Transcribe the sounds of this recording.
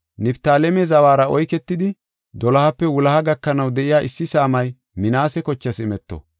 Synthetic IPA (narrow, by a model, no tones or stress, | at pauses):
nɪpt̪aːlɛmɛzɐwaːɾɐɔjkɛt̪ːɪd̪ɪ | d̪ɔlɐhɐpːɛwʊlɐhɐɡɐkːɐnɐwd̪ɛʔɪjaːʔɪsːɪsaːmɐj | mɪnaːsɛkɔt͡ʃːɐsɪmɛt̪ːɔ̰